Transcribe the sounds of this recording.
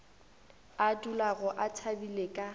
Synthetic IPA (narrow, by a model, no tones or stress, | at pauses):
adulaɣʊʔat͡sʰabilekʼa